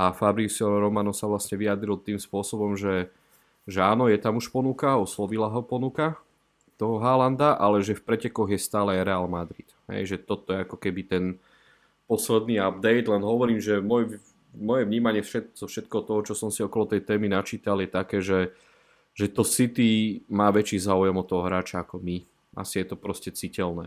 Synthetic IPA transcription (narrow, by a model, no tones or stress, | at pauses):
ʔafabɾisɔɾɔmanɔsaʋlasɲɛʋiad̪ɾilt̪iːmspʊɔsɔbɔmʒɛ | ʒɛaːnɔjɛt̪amuʃpɔnukaɔslɔʋilaɦɔpɔnuka | t̪ɔɦɔɦaland̪aʔalɛʒɛfpɾɛcɛkɔɣjɛst̪aːlɛajɾɛalmad̪ɾid̪̥ɦɛ̰jʒɛt̪ɔt̪ɔjɛakɔkɛbit̪ɛn | pɔslɛd̪niab̚d̪ɛjd̪lɛnɦɔʋɔɾiːmʒɛmɔj | mɔjɛʋɲiːmaɲɪɛfʃɛt̪zɔfʃɛt̪̚kɛɦɔt̪ɔɦɔt͡ʃɔsɔmsiɔkɔlɔt̪ɛjt̪ɛːminat͡ʃiːt̪aljɛt̪akɛːʒɛ | ʒɛt̪ɔsit̪imaːʋɛt͡ʃiːzaːujɛmɔt̪ɔɦɔɦɾaːt͡ʃaakɔmi | ʔa̰sijɛt̪ɔpɾɔscɛt͡sicɛlnɛː